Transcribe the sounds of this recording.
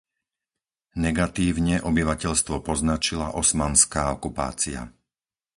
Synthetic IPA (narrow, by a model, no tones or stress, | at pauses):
nɛɡat̪iːʊɲɛʔɔbiʋacɛʎst̪ʋɔpɔznat͡ʃilaʔɔsmanskaːɔkupa̰ːt͡sia̰